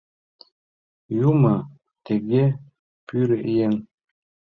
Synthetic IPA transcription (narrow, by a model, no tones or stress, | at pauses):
jumɑ | t̪eɡe | pyɾɘʔijeŋ